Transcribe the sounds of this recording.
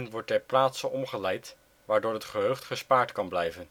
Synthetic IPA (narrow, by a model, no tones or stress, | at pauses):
nʋɔɹtɛɹplaːtsənɔmχəlɛjt | ʋaːɹdoːɹɦətχəɦøɥχtχəspaːɹtkɑnblɛjvən